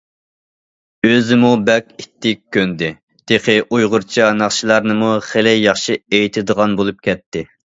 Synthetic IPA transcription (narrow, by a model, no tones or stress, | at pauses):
øzɪmubɛkʲit̪ʰːɪk̚ʲʰːønd̪ɪ | d̪̥eqʰɪʔujʁʊɾt͡ʃʰɑnɑχʃilˠɑɾnɨmuχelɪjɑχʃiejit̪ʰɪd̪əʁɑnbolˠup̚kʲʰɛt̪ːɪ